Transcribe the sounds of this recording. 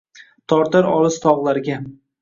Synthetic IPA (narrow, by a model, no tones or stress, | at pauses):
t̪ʰɒɾt̪aɾɒlɨzt̪ʰɒʁlˠaɾɡʲa